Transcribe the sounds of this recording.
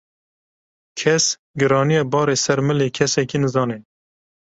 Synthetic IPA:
kʰɛs | ɡɨɾɑːnijɛbɑːɾeːsɛɾmɨleːkʰɛsɛkiːnɨzɑːneː

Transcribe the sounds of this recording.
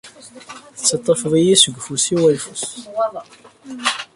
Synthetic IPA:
θt͡sːət̪ˤːəfðˤijisəɡʷəfusiwælfus

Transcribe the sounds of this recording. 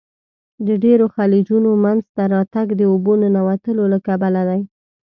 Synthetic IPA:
d̪əɖeɾoxɑlid͡ʒunomanzt̪aɾɑt̪aɡd̪əobononawat̪əlolakabalad̪aj

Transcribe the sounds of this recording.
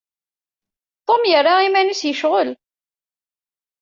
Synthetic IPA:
t̪ˤomjərːaimænusjəʃʁəl

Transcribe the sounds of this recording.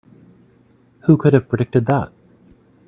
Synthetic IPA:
hukʰʊɾɨv̥pʰɹ̥ɨdɪk̚tɨd̪̚ðæ̰t̚

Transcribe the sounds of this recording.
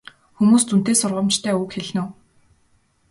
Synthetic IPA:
xumuːst̪ʰun̥t̪eːsʊrʁə̆mt͡ɕt̪ʰæːukxeɮnŭː

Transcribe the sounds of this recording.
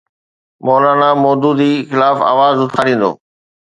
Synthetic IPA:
mɔːlaːnamɔːd̪uːd̪ixɪlaːfa̰ːʋaːzʊt̪ʰaːɾĩːn̆d̪o̰ː

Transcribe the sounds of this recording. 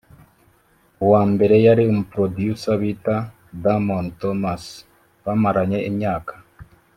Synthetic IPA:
waːmbe̞ɾe̞jaɾiomupɾodjusaβita | damontomas | βamaɾaɲeʔimɲaːkḁ

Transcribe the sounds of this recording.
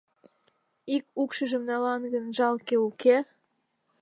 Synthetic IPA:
ikukʃəʒə̆mnɑlɑnɡənʒɑlkeuke

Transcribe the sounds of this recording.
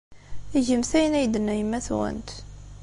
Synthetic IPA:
iʝəmθæjənæjd̪ənːæjəmːæθwæ̰nt̪

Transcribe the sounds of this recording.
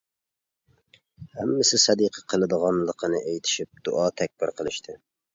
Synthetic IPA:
hæmːɪsɪsɛd̪iqʰəqʰəlˠɨd̪əʁɑnlˠəqʰənɨʔejt̪ʰɪ̥ʃip̚d̪ṵʔɑt̪ʰɛk̚ʲbɪɾqʰəlˠɨʃt̪ʰɪ

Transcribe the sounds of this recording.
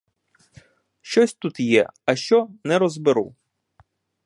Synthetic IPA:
ʃt͡ʃɔsʲt̪ut̪jɛ̰ɐʃt͡ʃɔnɛɾɔzbɪɾṵ

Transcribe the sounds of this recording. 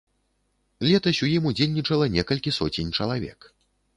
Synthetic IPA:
lʲɛt̪ɐsʲujimud͡zʲelʲnʲit͡ʂɐlˠɐnʲɛkɐlʲkʲisɔt͡sʲenʲt͡ʂɐlˠavʲɛ̰k

